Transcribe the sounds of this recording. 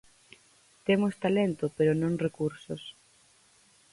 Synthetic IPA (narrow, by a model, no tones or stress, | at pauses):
t̪emost̪alent̪ʊpeɾʊnõŋrekuɾsos